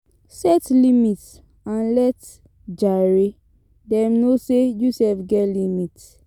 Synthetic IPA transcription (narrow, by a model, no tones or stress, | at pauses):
sɛtlimit | ãnlɛt | d͡ʒaɹe | dɛ̃mnosejusɛfɡɛtlimit